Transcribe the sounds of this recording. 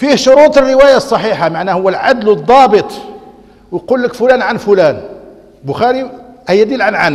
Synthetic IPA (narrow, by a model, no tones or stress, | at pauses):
fihʃʊɾut̪ˤərːəwæjasˤːɑħiħamaʕnæhʊwːælʕad̪lwəd̪ˤːɑbət̪ˤ | wjqulːəkfʊlænʕanfʊlæn | bʊxæɾihæjːæd̪ilʕanʕan